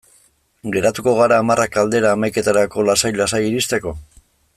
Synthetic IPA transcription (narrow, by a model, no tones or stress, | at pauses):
ɡe̞ɾat̪uko̞ɣ̞aɾaːmarʔakald̪e̞ɾaːmajke̞t̪aɾako̞lasajlasajiɾist̪e̞ko̞